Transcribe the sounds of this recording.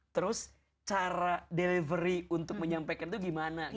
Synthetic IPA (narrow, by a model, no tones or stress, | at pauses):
t̪əɾʊs | t͡ʃaɾadelivəɾiunt̪ʊk̚məɲampajkant̪uɡimana